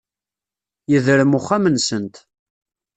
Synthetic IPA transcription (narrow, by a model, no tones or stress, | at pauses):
jəðɾəmʊχːæmənsənt̪